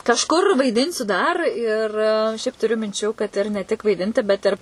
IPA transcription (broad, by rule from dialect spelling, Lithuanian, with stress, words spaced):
kɐʃˈkʊr ʋɐɪˈdʲɪnʲsʲʊ dɐr ɪr ˈʃʲɛɪp tʊˈrʲʊ mʲɪnʲˈt͡ʃʲuː kɐt ɪr nʲɛ tʲɪk ʋɐɪˈdʲɪnʲtʲɪ ˈbʲɛt ɪr